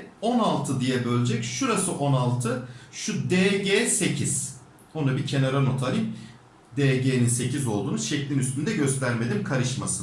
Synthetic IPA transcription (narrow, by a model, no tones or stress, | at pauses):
o̞nalˠt̪ʰɯd̪ijɛbø̞lʲd͡ʒɛcʃuɾasɯʔo̞nalˠt̪ʰɯʃud̪eːɟeːse̞cʰiz̥ | onabicʰe̞naɾano̞t̪ʰaɾim | d̪eːɟeːninse̞cizo̞lˠd̪uːnuzʃɛclʲinyst̪ʰynd̪ɛɟø̞st̪ʰæɾme̞d̪imkʰaɾɯʃmasɯ